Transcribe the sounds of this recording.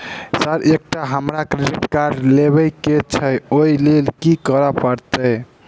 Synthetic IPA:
səɾek̚ʈaɦəmɾakɾeɖiʈkaɾleβəjket͡ʃʰəoilelkikəɾəpəɾt̪əj

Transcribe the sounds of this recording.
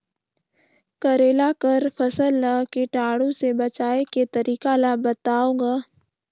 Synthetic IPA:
kɐɾeːlakəɾpʰɐsəlnakeʈaːɽõsebɐt͡ʃaːeket̪ɐɾiːkalabɐt̪aːõːɡaː

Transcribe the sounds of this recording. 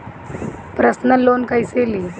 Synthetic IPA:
pɾəsnəloːnkajseli

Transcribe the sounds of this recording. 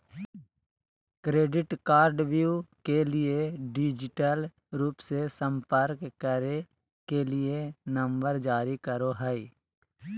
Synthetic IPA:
kɾeːɖɪʈkaːɾɖʋjuːkelieɖɪd͡ʒɪʈəl | ɾuːpsesə̃mpəɾkːəɾe | kelɪenə̃mbəɾd͡ʒaːɾikəɾoɦɛi

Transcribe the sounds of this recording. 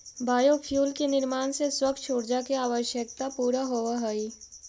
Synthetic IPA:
baːjopʰjuːlkenɪɾmaːnseswɐkt͡ʃʰoːɽd͡ʒakeaːʋəʃjək̚t̪apuːɾaɦoʋaɦɐi

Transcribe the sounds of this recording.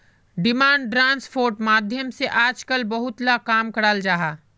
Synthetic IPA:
ɖɪmãːɳɖɖɾãːnspʰoːɾʈmaːd̪ʱjəmseʔaːd͡ʒkəlbɐɦʊt̪lakaːmkɐɽaːld͡ʒaːɦaː

